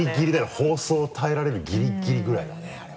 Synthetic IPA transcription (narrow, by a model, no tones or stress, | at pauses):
iɡʲiɾʲid̪aho̞ːso̞ːt̪ʰae̞ɾaɾe̞ɾɯ̟ɡʲiɾʲiɡʲiɾʲiɡɯ̟ɾaid̪a